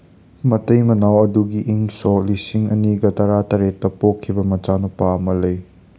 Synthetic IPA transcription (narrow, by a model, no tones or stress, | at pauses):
mɐtɐjmɐnawɐduɡiʔiŋsɔlisiŋɐniɡɐtɐɾatɐɾetːɐpɔkʰːibɐmɐt͡ʃanupamɐlɐj